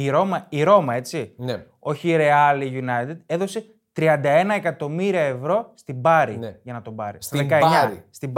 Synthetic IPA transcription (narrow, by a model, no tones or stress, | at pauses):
iɾo̞mɐiɾo̞mɐe̞t͡sin | o̞çiːɾe̞ɐliʝunɐjt̪ed̪e̞ðo̞se̞ | t̪ɾiɐnd̪ɐe̞nɐe̞kɐt̪o̞miɾiɐe̞vɾo̞st̪ibɐɾiʝɐnɐt̪o̞bɐ̰ɾist̪ɐðekɐeɲɐst̪ib